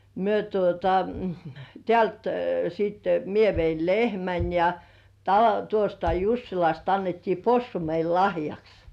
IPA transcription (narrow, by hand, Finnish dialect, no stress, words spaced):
myø tuotɑ tĕæˑlt siːtːe mie ʋeil lehmæn jɑ tɑ tuostɑ jusːilɑst ɑnːetːiː posːu meil lɑhjɑks